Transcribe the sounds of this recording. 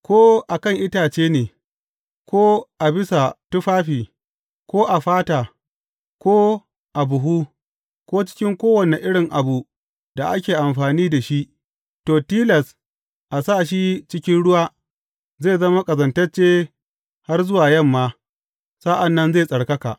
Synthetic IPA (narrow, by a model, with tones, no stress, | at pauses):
kʷoː˦ʔa˨kɐ˦˨ŋʔɪ˦taː˨t͡ʃeː˦neː˨ | kʰʷoː˦ʔa˨bɪ˦sa˨tʊ˦ɸaː˦ɸiː˨ | kʷoː˦ʔa˨ɸaː˦taː˨ | kʷoː˦ | ʔa˨bʊ˨ɦuː˦ | kʷoː˦t͡ʃɪ̥˦kʲɪ˦ŋkʷoː˦wɐ˨ne˨ʔɪ˦ɽɪ˨ŋʔa˨bu˨ | d̥a˨ʔa˦kʲeː˨ʔa˨mɸaː˨niː˦da˨ʃi˦ʔ | toː˨tiː˦lɐ˨s | ʔa˨saː˦˨ʃ̬i˦t͡ʃɪ˦kʲɪ˦nɽʊ˦waː˦ | zeː˦˨zɐ˦ma˦kʼɐ˨zɐ˨ntɐ˦rt͡ʃeː˦ | ha˦rzʊ˦waː˨jɐ˦˨mːaː˦ | sa˦ʔa˨nːɐ˦nzeː˦˨sʼɐ˨ɽkɐ˦ka̰ː˨ʔ